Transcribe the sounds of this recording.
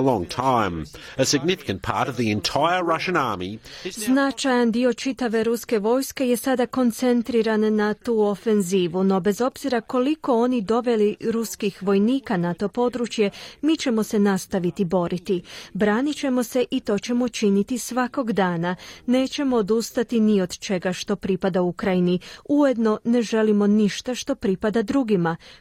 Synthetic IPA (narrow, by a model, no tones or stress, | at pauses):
əlɔ̃ŋtʰãɪ̃m | əsɪɡnɪfɪ̥kɨ̃npʰɑ̰ɹɾʌvðiɛ̃ntʰaɪə˞ɹʌʃɨ̃naɹmiznat͡ʃajand̪io̞t͡ʃit̪aʋe̞ɾuske̞ʋo̞ːjske̞je̞sad̪ako̞nt̪se̞nt̪ɾiɾanːat̪uːo̞fe̞nziːʋuno̞be̞zo̞bz̥iɾako̞liko̞o̞nid̪o̞ʋe̞liɾuskixʋo̞jniːkanat̪o̞po̞d̪ɾut͡ʃje̞miːt͡ɕe̞mo̞senast̪aʋit̪ibo̞ɾit̪ibɾaːnit͡ɕe̞mo̞se̞ʔit̪o̞ːt͡ɕe̞mo̞t͡ʃinit̪isʋako̞ɡd̪aːnane̞ːt͡ɕe̞mo̞ːd̪ust̪at̪inio̞d̪t͡ʃe̞ɡaʃt̪o̞pɾipad̪aukɾajiniujed̪no̞ne̞ʒe̞limo̞niʃt̪aʃt̪o̞pɾipad̪ad̪ɾuɡima